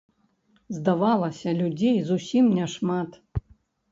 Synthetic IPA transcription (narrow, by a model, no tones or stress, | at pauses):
zd̪avalˠɐsʲɐlʲud͡zʲejzusʲimnʲɛʂmat̪